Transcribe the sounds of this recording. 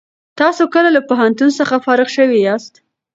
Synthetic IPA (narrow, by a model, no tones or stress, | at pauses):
t̪ɑsokəlalapoɦant̪unsəxafɑɾɪɣʃəwiɑst̪